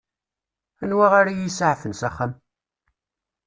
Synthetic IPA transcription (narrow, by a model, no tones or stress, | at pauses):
ænwaʁaɾajisʕfənsæχːæm